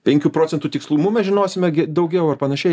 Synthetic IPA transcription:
pʲɛŋʲkʲuːpɾoːt͡sʲsʲɛnt̪uːt̪ʲɪkslˠuːmumʲɛʒʲɪnoːsʲɪmʲɛɡʲɛd̪ɐʊɡʲɛʊɐrpɐnɐʃʲɛɪ

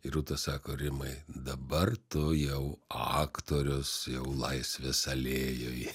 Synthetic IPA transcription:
ɪɾuːt̪ɐssɑːkoːɾʲɪmɐɪd̪ɐbɐrt̪ʊjɛʊɑːkt̪oːɾʲʊsjɛʊlˠɐɪsʲʋʲesɐlʲeːjoːj

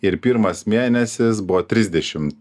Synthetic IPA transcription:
ɪɾpʲiɾmɐsmʲeːnʲɛsʲɪsbʊʋot̪ʲɾʲɪzʲd̪ʲɛʃʲɪm

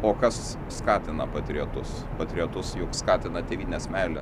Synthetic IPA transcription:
oːkɐsː | kɑːt̪ʲɪnɐpɐt̪ʲɾʲiot̪ʊs | pɐt̪ʲɾʲiɔt̪ʊsjʊkskɑːt̪ʲɪnɐd̪ʲɛʋʲiːnʲesmʲæːlʲɛ

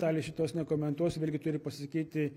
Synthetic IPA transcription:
t̪ɑːlʲɪsʃʲɪt̪oːsnʲɛkoːmʲɛnt̪uɔsʋʲeːlʲɡʲɪt̪ʊɾʲɪpɐsʲɪsɐkʲiːt̪ʲɪ

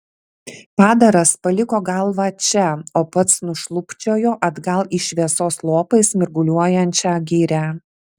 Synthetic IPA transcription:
pɑːd̪ɐɾɐspɐlʲɪkoːɡɐlˠʋɐt͡ʃʲɛoːpɐt̪snʊʃlˠʊpʲt͡ʃʲoːjoːʔɐd̪ɡɐlˠɪʃʲʋʲiɛsoːslˠoːpɐɪsmʲɪɾɡʊlʲuɔjɛnʲt͡ʃʲæɡʲiːɾʲæ

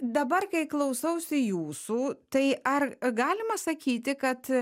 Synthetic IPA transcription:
d̪ɐbɐrkɐɪklˠɐʊsɐʊsʲɪjuːsuːt̪ɐɪɐrɡɑːlʲɪmɐsɐkʲiːt̪ʲɪkɐt̪

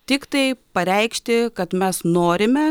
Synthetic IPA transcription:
t̪ʲɪkt̪ɐɪpɐɾʲɛɪkʃʲt̪ʲɪkɐt̪mʲɛsnoːɾʲɪmʲɛ

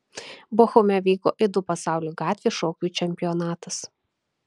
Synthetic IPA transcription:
boːxɔmʲɛʋʲiːko̰ːʔɪd̪ʊpɐsɑˑʊlʲuːɡɑːt̪ʲʋʲeːʃoːkʲuːˑt͡ʃʲɛmʲpʲɪjɔnɑːt̪ɐs

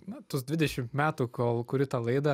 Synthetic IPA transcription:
nɐt̪ʊsd̪ʲʋʲɪdʲɛʃʲɪmt̪mʲæːt̪uːkoːlˠkʊɾʲɪt̪ɐlˠɐɪd̪ɐ

